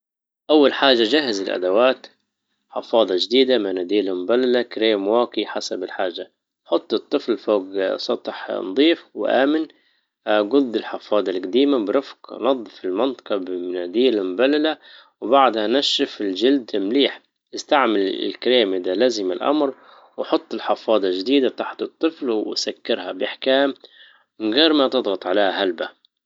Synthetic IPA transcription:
ʔawːalħaːʒːad͡ʒaɦːazɪlʔa̰d̪awaːt̪ | ħɪfɑːd̪ˤɑd͡ʒd̪iːd̪amanad̪iːlamʊbalːalakɾeːmwaːkiħasabɪlħaːʒːa | ħʊt̪ˤːɨt̪ˤːɨflfoːɡsˤɑt̪ˤħnd̪ˤiːfwɪ̰ʔa̰ːmɪn | ɡʊd̪ːɪlħɪfɑːd̪ˤɑlɡad̪iːmabɪɾˤɑfqnɑd̪ˤːfɪlmɑnt̪ˤɑ̥qɑbmnad̪iːlamʊbalːala | wbaʕd̪hanaʃːɪfɪld͡ʒɪld̪mliːħ | ɪst̪aʕmɪlɪ̰lkɾeːmɪd̪alaːzɪmalʔa̰mɾ | wħʊt̪ˤːɪlħɑfɑːd̪ˤɑld͡ʒɪd̪iːd̪at̪aħt̪ɨt̪ˤːɨflwɪsakːɪɾhabɪʔaħkaːm | mɪɣeːɾmat̪ɨd̪ˤɣɑt̪ˤʕaleːhahalba

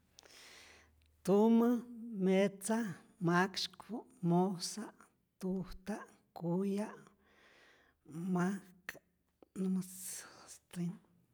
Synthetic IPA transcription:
t̪uməmet͡sa | makʃkpu | mosaʔ | t̪uht̪aʔ | kujaʔ | mak | nəmasst̪in

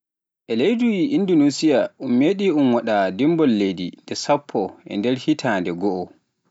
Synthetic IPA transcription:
ʔɛlejdujiʔindunusijaʔumːeɗiʔumwaɗadimbɔlːedḭndɛsapʰːɔʔɛ̰ndɛɾhitʰaːndɛɡɔʔɔ

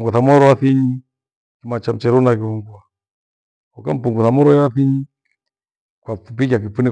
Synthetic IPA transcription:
ŋɡuθamɔɾɔwaθiɲi | kimat͡ʃam̩t͡ʃɛɾɔnakiuŋɡwa | kɔka̰m̩puŋɡuθamɔɾɔɛaθiɲi | kwafupik̬ak̬ifuni

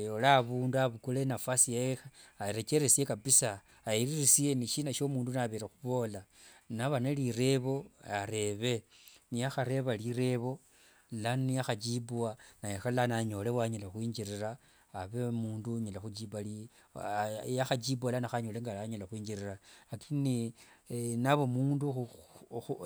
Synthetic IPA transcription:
olaβuːnduaβukulenafasiexeaɾet͡ʃeɾesiekapisaː | iɾirisie̞niʃiːnaʃo̞muːndunaβeɾexuβo̞ːlanaβaneliɾe̞βo̞aɾe̞βe̞niaxaɾe̞βaliɾe̞βo̞ | laniaxad͡ʒibuanajaxalanaɲo̞lewaɲalaxwiːɲd͡ʒiɾiraː | βemuːnduɲalaxud͡ʒibali | jaxad͡ʒibualanaxaɲoleŋɡaaɲalaxwiːɲd͡ʒiɾiraakʰini | naβomuːndu

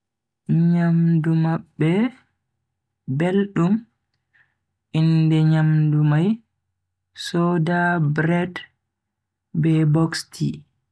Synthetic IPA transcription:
ɲamdumabːɛ | belɗum | ʔindɛɲamdumaj | sɔːdabɾɛd | bɛbɔksti

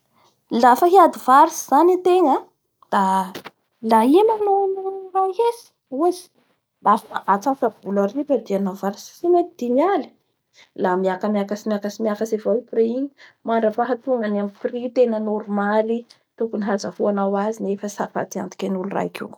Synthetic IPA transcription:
lafəɦiad̪iv̥aɾisiz̥anit̪eŋə | d̪̥a | laimanonuraɦesi̥ | uzi̥ | afʔat͡safabularipəd̪ianavaɾissimat̪id̪̥imali̥ | lamiakəmiakasimiakasimiakasevaipreiɲimaɳɾəpaɦat̪uŋanamiprit̪enənoɾumali | t̪ukuniɦazahuanawazinefəsaɾfa̰t̪ia̰nd̪i̥kʲenulura̰jkṵ

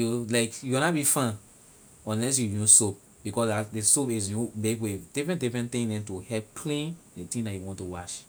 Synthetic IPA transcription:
julaɪkjunat̚bifãn | ɔ̃nlɛs̬jujõsop̚ | b̥ikɔsdadesopiz̬jomekwed̥ifɹɛ̃ndifɛ̃ntĩŋdɛ̃ntuhɛppʰlẽndetĩŋdajuwɔ̃ntuwaʃ

